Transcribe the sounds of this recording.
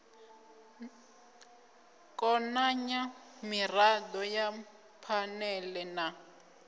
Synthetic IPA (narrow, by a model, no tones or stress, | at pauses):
kɔnaɲamiradɔja | pʰanɛlɛna